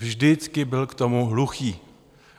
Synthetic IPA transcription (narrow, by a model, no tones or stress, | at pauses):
vʒdɪt͡skɪbɪlkt̪o̞muɦluxiː